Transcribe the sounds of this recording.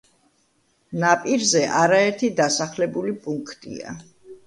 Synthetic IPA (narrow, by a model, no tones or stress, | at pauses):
napʼiɾzɛʔaɾaɛɾt̪ʰid̪asaχlɛbulipʼuŋkʰt̪ʼḭa̰